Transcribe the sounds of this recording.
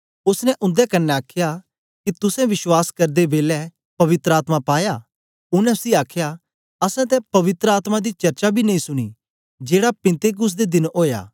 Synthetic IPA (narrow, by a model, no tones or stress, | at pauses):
ʊsnɛʔʊ̃nd̪ɛkɐnːɛaːkʰja | kit̪ʊsɛ̃ʋɪʃwaːskɐɾd̪ebeːlɛ | pɐʋɪt̪ɾəaːt̪mapaːja | ʊnɛ̃siaːkʰja | ɐsɛ̃t̪̬ɛ̃pɐʋɪt̪ɾəaːt̪mãd̪it͡ʃɐɾt͡ʃabʱinɐĩsʊɽ̃ḭː | d͡ʒeːɽapɪ̃nt̪eɡʊs̬d̪ed̪ɪnɦoːja̰ː